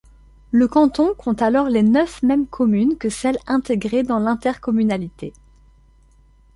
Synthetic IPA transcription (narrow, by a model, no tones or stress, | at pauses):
ləkɑ̃t̪ɔ̃kʰɔ̃t̪alɔʁlenœfmɛmkʰɔmynkəsɛlɛ̃t̪eɡʁed̪ɑ̃lɛ̃t̪ɛʁkɔmynalit̪e